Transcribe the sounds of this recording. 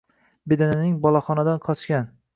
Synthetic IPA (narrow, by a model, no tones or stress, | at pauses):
bed̪anɪnɪŋbɒlˠaχɒnad̪anqʰɒt͡ʃkʲan